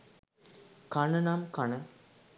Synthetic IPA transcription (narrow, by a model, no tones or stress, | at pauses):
kanənamkanə